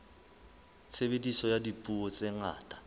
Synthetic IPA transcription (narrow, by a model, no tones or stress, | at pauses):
t͡sʰebedisɔjadipʼuɔt͡sʼɛŋa̰ːtʼa